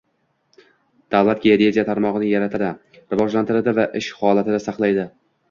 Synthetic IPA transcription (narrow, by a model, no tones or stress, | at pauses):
d̪̥avlˠat̪̚ɡʲaeɾʲezʲijat̪ʰaɾmɒʁɨnɪjaɾat̪ʰɪd̪a | ɾɪvɒd͡ʒlant̪ʰɪɾɪd̪avaʔɪʃhɒlˠat̪ʰɪd̪asɑqlˠajd̪ɪ